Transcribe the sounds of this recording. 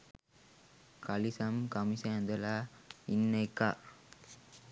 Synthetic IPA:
kɐlisɐmkɐmisaːnd̪ɐlaːinːɐɪkːa̰ːɾ

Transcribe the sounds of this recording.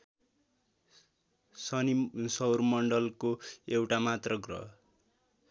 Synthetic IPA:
sʌnisʌwrmʌɳɖʌlkoewʈamat̪rʌɡrʌ̰

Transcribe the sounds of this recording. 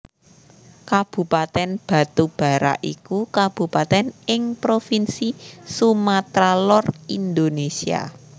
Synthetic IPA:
kab̥ṳpat̪ɛnb̥ä̤t̪ub̥a̤ɾa̰ʔḭkukab̥ṳpat̪ɛnɪŋpɾofinsisumat̪ɾalɔrind̪onesia̰

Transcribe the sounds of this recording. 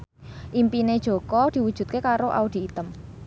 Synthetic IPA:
ʔimpined̥ʒ̥o̤kɔd̪̥i̤wud̥ʒ̥ṳt̪̚kekaɾoʔa̰ud̪̥i̤ːt̪əm

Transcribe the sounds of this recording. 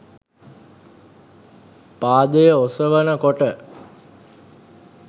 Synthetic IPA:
paːd̪əjəosəʋənəkoʈə

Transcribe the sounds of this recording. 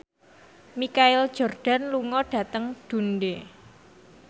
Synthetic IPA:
mikaɪld̥ʒ̥ɔ̤rɖ̥a̤nluŋɔɖ̥ä̤t̪əŋd̪̥ṳnɖe

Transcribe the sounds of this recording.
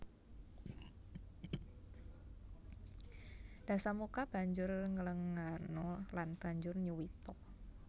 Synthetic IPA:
d̥a̤samukab̥a̤ɲd͡ʒʊrŋələŋanɔlanb̥a̤ɲd͡ʒʊrɲuwit̪ɔk̚

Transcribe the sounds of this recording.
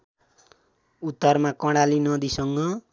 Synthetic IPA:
ut̪ːʌrmakʌɽalinʌd̪isʌŋɡʌ

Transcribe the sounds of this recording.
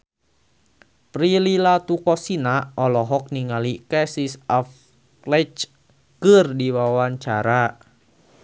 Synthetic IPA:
pɾililat̪ukɔsinaɔlɔɦɔk̚niŋalikɛsisaf | klɛt͡ʃ | kɨrdiwawaɲt͡ʃaɾa

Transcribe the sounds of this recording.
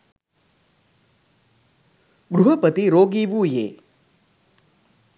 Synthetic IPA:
ɡɾuɦəpət̪iɾoːɡiʋujeː

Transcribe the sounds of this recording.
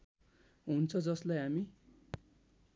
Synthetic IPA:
ɦunt͡sʰʌd͡zʌslajɦami

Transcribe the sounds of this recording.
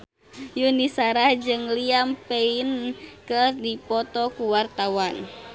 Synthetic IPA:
junisaɾahd͡ʒɨŋliampɛinkərdipɔt̪ɔkuwart̪awan

